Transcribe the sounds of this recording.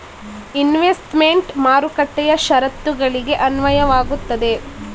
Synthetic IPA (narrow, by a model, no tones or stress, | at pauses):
inʋesʈmeɳʈmaːɾukɐʈːɛjɐʃɐɾɐt̪ːuɡɐɭiɡe̞ʔɐnʋɐjɐʋaːɡut̪ːɐd̪e̞